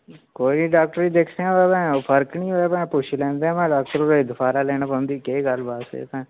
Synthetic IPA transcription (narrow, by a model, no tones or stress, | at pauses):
koːiiɖaːk̚ʈɾiːd̪ekʰd̪eãːt̪aːbɛ̃ːpʰəɾknĩːɦoːeːmɛ̃ːpʊʃʰlɛ̃ːnd̪eːãːmɛ̃ːɖaːk̚ʈəɾoɾd̪ʊpʰaːɾaːlɛːñãːpə̃nd̪iːkeːɡəlbaːsḛːt̪ãː